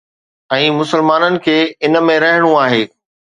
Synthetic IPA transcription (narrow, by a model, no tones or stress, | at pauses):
ɛ̃ːmʊsəlmaːnənɪ̆kʰeːɪnə̆mẽɾɐɦɪɽ̃ũaːɦeː